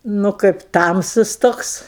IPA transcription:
nʊ ˈkɐɪp ˈtɐmsʊs ˈtoːks

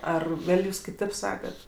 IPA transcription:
ˈɐr ˈɡɐlʲ ˈjuːs kʲɪˈtʲeːp ˈsɑːkɐt

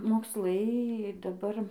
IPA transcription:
moːksˈlˠɐɪ dɐˈbɐr

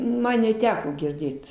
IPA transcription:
ˈmɐn nʲɛˈtʲæːkoː ɡʲɪrʲˈdʲeːt

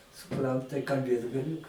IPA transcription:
sʊˈprɐn tɐɪ kɐlʲˈbʲeːt ɡɐˈlʲuː

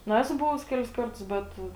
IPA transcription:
nʊ ˈæːsʊ ˈbʊʋʊs ˈkʲæːlʲɪs ˈkɐrtʊs ˈbʲɛt

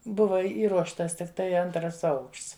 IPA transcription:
ˈbʊʋɐ ˈiːruɔʃtɐs tʲɪkˈtɐɪ ˈɐntrɐs ˈɐʊkʃts

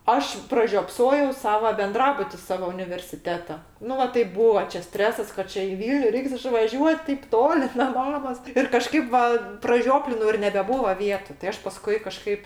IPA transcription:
ˈɐʃ prɐʒʲoːpˈsoːjɛʊ ˈsɑːʋɐ bʲɛnˈdrɑːbʊtʲɪ ˈsɑːʋoː ʊnʲɪʋʲɛrʲsʲɪˈtʲæːtoː ˈnʊ ˈʋɐ tɐɪ ˈbuːɐ t͡ʃʲɛ ˈsʲtʲrʲæːsɐs kɐt ˈt͡ʃʲɛ ɪ ˈʋʲiːlʲnʲʊ ˈrʲɛɪks ɪʃʋɐˈʒʲuɔt tʲeːp ˈtoːlʲɪ nɐ ˈmɑːmoːs ɪr kɐˈʃkɐɪp ʋɐ prɐˈʒʲoːpʲlʲɪnɐʊ ɪr nʲɛbʲɛˈbuːʋɐ ˈʋʲiɛtʊ tɐɪ ˈɐʃ pɐˈskʊɪ kɐˈʃkɐɪp

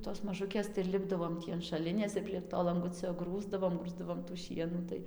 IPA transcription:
toːs mɐˈʒʊkʲeːs tɐɪ ɪr ˈlʲɪbdɐʋoːm ˈtʲiː ɐn ʃɐˈlʲɪnʲeːs ɪr pʲrʲiɛk ˈtoː lˠɐŋˈɡʊt͡sʲoː ˈɡruːzdɐʋoːm ˈɡruːzdɐʋoːm tuː ˈʃʲiɛnuː tɐɪ

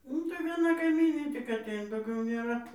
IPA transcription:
ˈnʊ tɐɪ ʋʲiɛˈnɐ kɐɪˈmʲiːnʲeː tʲɪk ɐˈtʲɛɪnɐ dɐʊˈɡʲɛʊ nʲeːˈrɐ

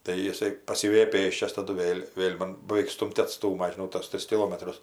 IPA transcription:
tɐɪ jɪˈsɐɪ pɐˈsʲɪʋʲɛjɛ ˈpʲeːsʲt͡ʃʲɛs ˈtɑːdʊ ˈʋʲeːlʲ ˈʋʲeːlʲ mɐn bɐʋʲɛɪk ˈstuːmʲtʲ ɐtˈstuːmɐ ʒʲɪˈnɐʊ toːs ˈtʲrʲɪs kʲɪˈlˠoːmɐtrʊs

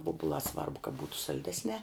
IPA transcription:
ˈʋoːbʊlˠɑː ˈsʋɐrbʊ kɐ ˈbuːtʊ sɐlʲˈdʲæːsʲnʲæː

